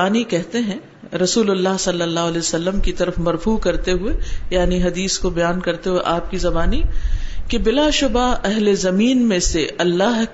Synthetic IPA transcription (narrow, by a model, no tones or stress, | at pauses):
aːnikɛɦt̪eɦɛ̃ | ɾɐsuːlʊlːaɦsɐlːəlːaːɦʊɐlɛːsɐlːəmkit̪ɐɾəfmɐɾfuːkɐɾt̪eɦʊejaːniɦɐd̪iːskobɐjaːnkɐɾt̪eɦueʔaːp̚kizɐbaːnikebɪlaʃʊbaɛɦlezɐmiːnmẽseʔɐlːaɦ